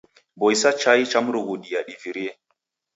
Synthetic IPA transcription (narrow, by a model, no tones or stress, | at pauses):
bojsat͡ʃajt͡ʃamɾuɡuɗijaɗiviɾie